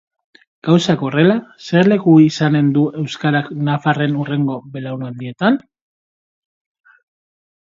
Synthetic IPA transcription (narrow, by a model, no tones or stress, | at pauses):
ɡ̥awsako̞re̞lase̞ɾle̞kuisane̞nd̪uʔe̞wskaɾaknafare̞nure̞ŋɡo̞βe̞lawnand̪ie̞t̪an